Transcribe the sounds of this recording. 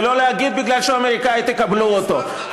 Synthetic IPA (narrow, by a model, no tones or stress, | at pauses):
loleaɡid̪̚biɡlalʃeameʁikait̪ekabluot̪o̞ | h